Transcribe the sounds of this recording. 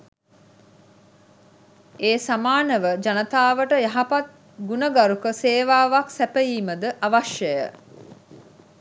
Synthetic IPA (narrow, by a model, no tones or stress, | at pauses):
eːsamaːnəʋəd͡ʒanət̪aːʋəʈəjaɦapat̪̚ | ɡunəɡaɾukəseːʋaːʋaksæpəjiːməd̪əʔaʋaʃjəjə̰